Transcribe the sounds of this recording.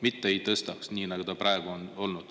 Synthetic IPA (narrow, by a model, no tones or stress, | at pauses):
mit̪ːeejt̪ɤst̪ɑksniːnɑɡ̥ut̪ɑprɑeɡ̥uono̞lnud̪̥